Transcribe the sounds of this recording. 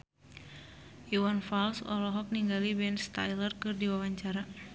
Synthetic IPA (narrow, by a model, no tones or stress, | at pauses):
ʔiwanfalsɔ̰lɔɦɔk̚niŋɡalibɛnst̪a̰jlərkɨrdiwawaɲt͡ʃaɾa